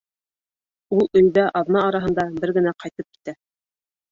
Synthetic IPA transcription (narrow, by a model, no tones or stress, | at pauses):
ulˠɵ̆j̪ðæʔɑðnɑːɾɑɦɤ̆nd̪ɑbɘɾɡɘ̆næqɑjt̪ɤp̚ki̥t̪æ